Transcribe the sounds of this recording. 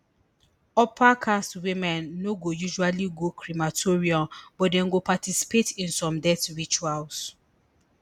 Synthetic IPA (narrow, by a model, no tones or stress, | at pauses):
ɔpakʰastwimɛ̃nːoɡojuʒualiɡokʰɹimatʰoɹiɔ̃mbɔtdɛ̃nɡopatisi̥petĩnsɔ̃mdɛtɹit͡ʃuals